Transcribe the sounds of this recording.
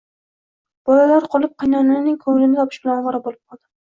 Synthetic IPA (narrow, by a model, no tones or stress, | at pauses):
b̥ɒlalaɾqʰɒlˠɪp̚qʰɑjnannɪnɪŋkʰɵŋɪlɪnɪɡʲɒpʰɪʃb̥ɪlanɒʁɑɾabolˠɪp̚qʰɒlˠd̪ɪ